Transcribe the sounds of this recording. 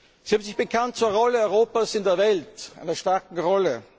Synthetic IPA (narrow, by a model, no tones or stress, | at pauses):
z̥ihaːbm̩nzɪçb̥əkʰant̚t͡suːɐʁɔləɔʏʁoːpaːsɪndeːɐvɛltʔa̰ɪnɐʃtaɐkŋ̩ʁɔlə